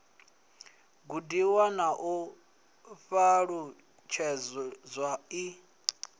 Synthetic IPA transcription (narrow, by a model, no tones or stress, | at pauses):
ɡudiwanaʔu | ɸaɺu | t͡ʃʰɛzwai